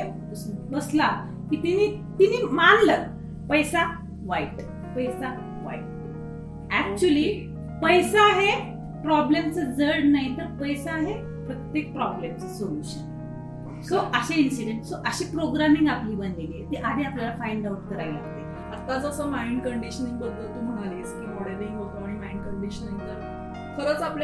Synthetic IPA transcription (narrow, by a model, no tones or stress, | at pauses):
sməsla | kiːt̪ini | t̪inimanlə | pəjsa | ʋaiʈ | pəjsa | ʋa̰iʈ̚ | æk̚t͡ɕuəliː | pəjsaːɦe | pɾɔblemt͡səd͡zəɽnaɦit̪əɾpəjsaːɦe | pɾət̪jek̚pɾɔblemssoluɕən | soʔəɕeinsiɖeɳʈsoʔəɕiːpɾoɡɾamĩŋɡapliːbənleliːet̪iʔad̪ʱiapljalafajɳɖawuʈkəɾajla̰ɡ̚t̪e | ət̪ːat͡səsəmaiɳɖkəɳɖiɕənĩŋɡbəd̪ːəlt̪um̤əɽ̃aleskiːmoɽeɾĩŋɦok̪aɽ̃imaiɳɖkəɳɖiɕəniŋkəɾ | kʰəɾəːt͡sapla